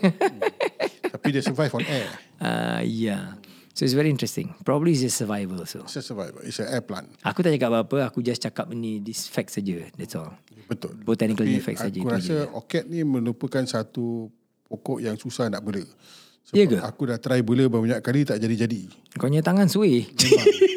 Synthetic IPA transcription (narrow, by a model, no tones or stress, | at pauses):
t̪apidiəsəvajfɔnɛ | a̰ja | soitsvɛɹiĩntɹɛst̪ɪ̰̃ŋpɹɔbəbliːs̬əsəvajvəlso̰səsəvajvə̰lḭsəɛpla̰nakut̪aʔd͡ʒakap̚baapəakud͡ʒast͡ʃakap̚inidisfɛk̚tsad͡ʒədɛtsɔlbət̪ʊlbot̪anikəlifɛk̚ssad͡ʒəkuɾaəo̰kɛt̪̚nimə̃lupəkansat̪u | pokɔʔjaŋsusahnaʔbələ | sojəɡəakudaht̪əɾaibələbamuɲaʔ̚kalit̪aʔd͡ʒadid͡ʒadi | koɲə̃t̪aŋãnsue